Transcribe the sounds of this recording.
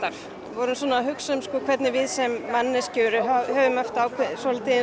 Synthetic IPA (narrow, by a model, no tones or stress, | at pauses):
aɾ̥ | vɔɾʏnsɔːnaɦʏksœmskɔːkʰvɛt̪nɪvɪðsɛmːanːɪscœːɾʏɦhœːvʏmœft̪aːwkʰɛsɔlt̪ʰiːðɪ